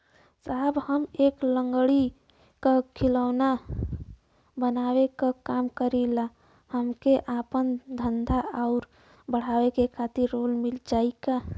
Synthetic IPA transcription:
sabhəmekləŋɡɽi | kakʰiləwna | bənawekakamkəɾila | həmkeʔapənd̪ʱənd̪ʱaaʊɾ | bəɽ̤awekekʰat̪iɾːolmild͡ʒaika

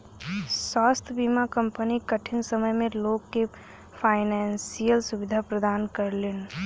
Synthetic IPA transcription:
swaːst̪ʰbimakə̃mpənikəʈʰɪnsəməjmẽloːɡke | pʰaːɪnɛːnsijəlsʊʋɪd̪ʱapɾəd̪aːnkəɾleːn

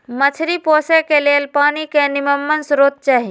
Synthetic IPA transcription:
mət͡ʃʰɾipoːsekelelpaːnikenɪməmːənsɾoːt̪̚t͡ʃaːɦi

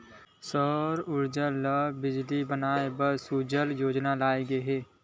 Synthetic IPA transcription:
sɔːɾʊɾd͡ʒəlːəbɪd͡ʒlibənaːebəɾsuːd͡ʒəljoːd͡ʒnalaːeɡəɦɛː

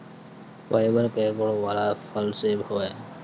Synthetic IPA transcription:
ʋʔa̰ːɪbəɾkeɡʊɽ̃ʋaːlafʰəlseːbʱoːɛː

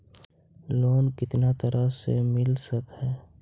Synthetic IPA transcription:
loːnkɪt̪nat̪əɾəsḛmɪlsəkɦɛː

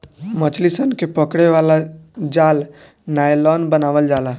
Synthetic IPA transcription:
mət͡ʃlisənkepəkɽeʋaːlad͡ʒaːl | naːjlɔːnbənaːʋəld͡ʒaːlaː

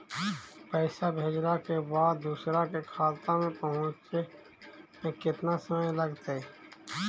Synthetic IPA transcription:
pɛːsabʱeːd͡ʒɾakebaːd̪d̪uːsɾakekʰaːt̪amẽpɐɦʊ̃t͡ʃt̪e | mẽkɪt̪nasəməjləɡt̪eː

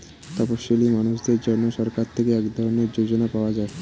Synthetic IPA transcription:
t̪ɔpoʃːolimanuʃd̪eɾd͡ʑɔɾnːoʃɔɾkaɾt̪ʰekeɛkd̪ʱɔɾoneɾd͡ʑod͡ʑonapaoad͡ʑae

